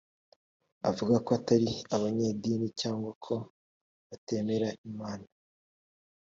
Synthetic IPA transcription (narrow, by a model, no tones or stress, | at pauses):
a̰vuɡakoataɾiaβaɲeːdiːnicaːŋɡwakʰo̞ | βate̞ːme̞ɾaimaːna